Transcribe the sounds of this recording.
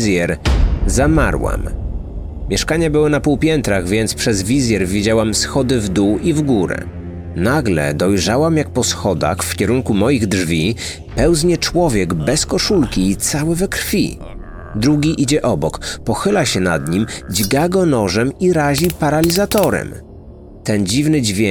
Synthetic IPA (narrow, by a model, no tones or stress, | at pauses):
zʲjɛɾzama̰ɾwa̰m | mʲjɛʂkaɲabɘwɔnapuwpʲjɛnt̪ɾaɣvʲjɛnt̪spʂɛzvʲizʲjɛɾvʲid͡ʑawamsxɔd̪ɘvd̪uwivɡuɾɛ̰ | naɡlɛ̰d̪ɔjʐawamjak̚pɔsxɔd̪a̰xfkʲɛɾuŋkumɔjiɣdʐvʲi | pɛwzɲɛt͡ʂwɔvʲjɛɡbɛskɔʂulkʲiːt̪sawɛvɛkɾfʲḭ | d̪ɾuɡʲiʔid͡ʑɛʔɔbɔkpɔxɘlaɕɛna̰d̪ɲimd͡ʑɡaɡɔnɔʐɛmiɾaʑipaɾalʲizat̪ɔɾɛ̰m | t̪ɛnd͡ʑivnɘd͡ʑvʲjɛ